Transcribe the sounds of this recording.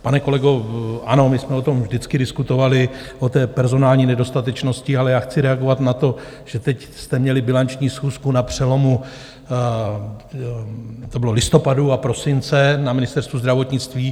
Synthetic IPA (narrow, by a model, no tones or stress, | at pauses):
panɛko̞lɛɡo̞ʔano̞mɪsmɛo̞t̪o̞mvʒdɪt͡skɪdɪskut̪o̞valɪʔo̞t̪ɛːpɛɾzo̞naːlɲiːnɛdo̞st̪at̪ɛt͡ʃno̞scɪalɛjaːxt͡sɪɾɛaɡo̞vat̪nat̪o̞ | ʒ̥ɛt̪ɛc | st̪ɛmɲɛlɪbɪlant͡ʃɲiːsxuːskunapr̝̥ɛlo̞mu | t̪obɪlo̞lɪst̪o̞paduapɾo̞sɪnt͡sɛnamɪnɪst̪ɛɾst̪vuzd̪ɾavo̞t̪ɲɪt͡st̪viː